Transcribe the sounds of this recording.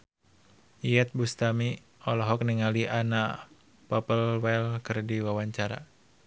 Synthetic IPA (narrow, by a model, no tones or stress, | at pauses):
iɛt̪̚bust̪ami | ɔlɔɦɔk̚niŋaliʔana | pɔpəlwɛlkɨrdiwawaɲt͡ʃaɾa̰